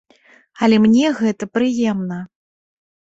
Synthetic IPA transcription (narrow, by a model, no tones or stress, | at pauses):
ɐlʲɛmnʲɛɣɛt̪ɐpɾɨjɛmnɐ